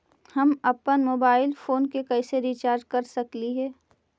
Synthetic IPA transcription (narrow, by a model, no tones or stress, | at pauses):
hɐmɐpənmoːbaːɪlfoːnkekɐɪseɾiːt͡ʃaːɾɖkɐɾsɐkliɦɛː